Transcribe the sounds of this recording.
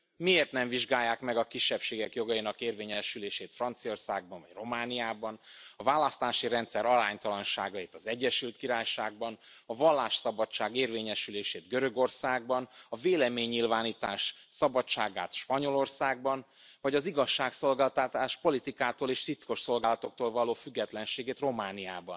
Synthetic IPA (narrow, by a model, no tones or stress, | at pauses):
mieːrt̪nɛɱviʒɡaːjːaːkmɛɡɒkiʃːɛpʃeːɡɛkjo̞ɡɒjinɒkeːrveːɲɛʃyleːʃeːt̪frɒnt̪sio̞rsa̰ːɡ̚bɒɱvɒ̰ɟ̥ro̞maːnijaːbɒnɒvaːlːɒst̪aːʃiɾɛnt̪sɛɾɒɾaːɲt̪ɒlɒnʃa̰ːɡɒeːt̪ɒzɛɟːɛʃylt̪kiɾaːjʃaːɡ̚bɒn | ɒvɒlːaːʃsɒbɒt͡ʃːaːɡeːrveːɲɛʃyleːʃeːd̪ɡøɾø̞ɡo̞rsaːɡbɒnɒveːlɛmeːɲːilvaːniːt̪aːʃsɒbɒt͡ʃaːɡa̰ːt̪ʃpɒɲo̞lo̞rsaːɡ̚bɒn | vɒɟɒziɡɒʃːaːkso̞lɡaːlt̪at̪aːʃpo̞lit̪ikaːt̪oːleːʃt̪it̪ko̞ʃso̞lɡaːlɒt̪o̞k̚t̪oːlvɒloːfyɡːɛt̪lɛnʃeːɡeːt̪ro̞maːnijaːbɒ̰n